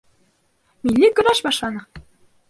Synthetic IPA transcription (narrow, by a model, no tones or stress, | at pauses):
milʲːikɤ̆ɾɑʃbɑʃɑnɤ̆